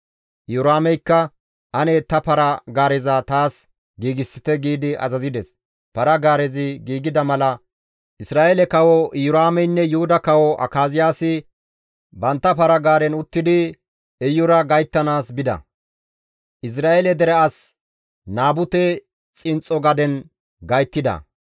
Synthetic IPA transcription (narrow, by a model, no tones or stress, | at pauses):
jʊɾaːmɛjkːɐ | ʔɐnɛt̪ɐpɐɾɐɡaːɾɛzɐt̪aːs | ɡiːɡɪsːɪt̪ɛɡiːd̪ɪʔɐ̰zɐzɪd̪ɛs | pɐɾɐɡaːɾɛzɪɡiːɡɪd̪ɐmɐlɐ | ʔɪsɾaːʔɛlɛkɐwɔjʊɾaːmɛjnːɛjʊhʊd̪ɐkɐwɔʔɐ̰kaːzɪjaːsɪ | bɐnt̪ːɐpɐɾɐɡaːɾɛnʊt̪ːɪd̪ɪ | ɛjʊɾɐɡɐjt̪ːɐnaːsbɪd̪ɐ̰ | ʔɪs̬ɾaːɛlɛd̪ɛɾɛɐs | naːbʊt̪ɛ | t͡sʼɪnt͡sʼɔɡɐd̪ɛn | ɡɐjt̪ːɪd̪ɐ̰